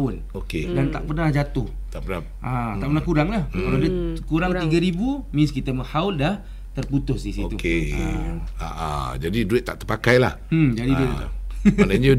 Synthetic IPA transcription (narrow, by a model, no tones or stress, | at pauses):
l | okedant̪a̰ʔpərnahd͡ʒat̪ʊh | t̪aʔpəna̰ | at̪aʔpənahkuɾaŋlahkaladiəkuɾaŋt̪iɡaɾibumɪnskit̪aməhaʊldah | t̪ərput̪ʊsdisit̪ukḛ | a̰ʔa̰d͡ʒadiduɪt̪ːa̰ʔt̪əpakajla̰hd͡ʒadiduɪt̪ | naɲə